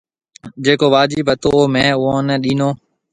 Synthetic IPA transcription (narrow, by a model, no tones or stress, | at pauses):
d͡ʒeːkoːʋaːd͡ʒiːbət̪oːoːmẽːʊɦõːnɛːɗiːnoː